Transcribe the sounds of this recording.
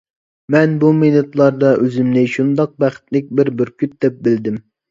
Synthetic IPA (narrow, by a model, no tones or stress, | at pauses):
mɛnbumenut̪lˠɑɾd̪ɑʔøzɪmnɪʃund̪ɑq̚bæχɪ̥t̪lɪk̚ʲbɪɾbɪɾkʲʰyt̪̚d̪ɛp̚bɪld̪ɪm